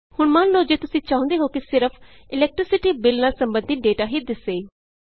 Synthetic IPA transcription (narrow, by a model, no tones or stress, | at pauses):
hʊɳmãːnloːd͡ʒeːt̪ʊsĩːt͡ʃãːʊ̃ːnd̪eːɦoːkɪsɪɾəpʰɪlɛːk̚ʈɾɪsɪʈiːbɪlnaːsəmbə̃nd̪it̪̚ɖeːʈaːɦiːd̪ɪsːeːi